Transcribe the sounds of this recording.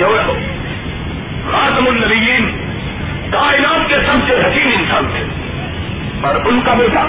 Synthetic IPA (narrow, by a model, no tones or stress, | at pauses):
oːɦo | ɾaːt̪ɐmʊnːɐbijiːn | k̪aːɪnaːt̪kesɐmseɦɐkiːmɪnsaːnt̪ʰe | pɐɾʊnkabi